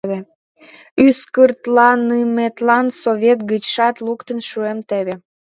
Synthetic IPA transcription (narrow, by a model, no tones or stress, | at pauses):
βe | yskərt̪lɑnɯmet̪lɑnsoβʲet̪̚ɣət͡ɕʃɑt̪lukt̪ənʃuemt̪eβe